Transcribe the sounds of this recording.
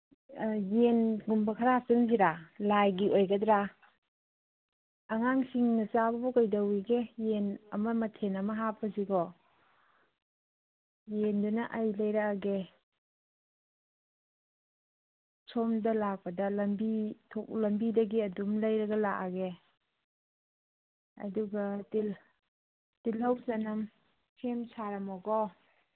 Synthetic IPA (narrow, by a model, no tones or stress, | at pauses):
jenɡumbɐkʰɐɾasɐnziɾalajɡiʔojɡɐdɾa | ŋaŋsiŋnɐsabɐbɔkajdɐwiɡejenɐmɐmɐtʰenɐmɐɦapʰːɐsiɡɔ | jendunɐʔajlɐjɾakaɡe | sʰɔmdɐlak̚pɐdɐlɐmbitʰɔk̚lɐmbidɐɡiɐdumlɐjɾɐɡɐlakaɡe | ɐ̰duɡɐti | tilhɐwzanɐm | kʰemsaɾɐmɔɡɔ